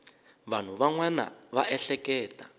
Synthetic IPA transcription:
βan̤uβaŋwɛna̰βaʔɛɬɛkɛːta

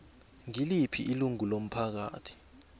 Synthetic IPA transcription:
ŋilipʰiʔiluŋulom̩pʰak̬a̰ːtʰi̥

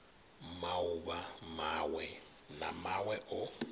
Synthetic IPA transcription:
maʊβamawɛ | namawɛʔʊ

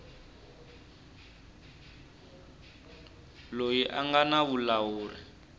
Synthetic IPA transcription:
lojiʔaŋɡanaβulawuːri

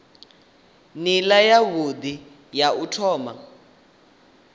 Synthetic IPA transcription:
nilajaβud̪i | jautʰɔːma

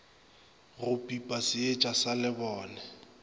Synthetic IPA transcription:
ɣʊpʼipʼasɪet͡ʃʼasalɪbɔːnɛ

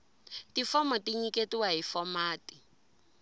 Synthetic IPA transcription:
tifɔmɔtiɲiketiwaɦifɔmaːti̥

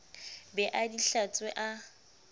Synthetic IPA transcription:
bɛʔadiɬat͡sʼweʔa

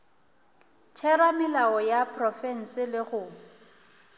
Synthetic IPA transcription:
tʰɛɾamɪlaɔjapʰʼrɔfɛn̩sɪlɪɣʊ

